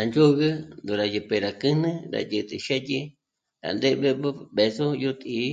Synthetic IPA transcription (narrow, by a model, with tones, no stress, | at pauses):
ɾa˨nd͡ʒo˦ɣɨ˦nd̪u˨ɾa˨jɨ˨pe˧ɾa˨kɨ˦nɨ̃˦ɾa̰˨jɨ˧˨t̪ʼɨ̰˧ʃe˦ji˦ | ɾa̰˨nd̪e˦βe˦bɨ˦ɓe˨so˦ju˦t̪ʼi˨˦